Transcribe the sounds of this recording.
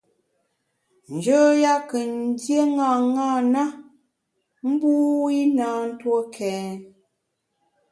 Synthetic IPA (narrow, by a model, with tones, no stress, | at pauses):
n̩˨d͡ʒə˦ja˦kə˨n˦dje˦ŋa˨ŋa˦˨na˦ | m̩˦bu˦i˦naː˨˦n̩˦two˦kʰɛː˨n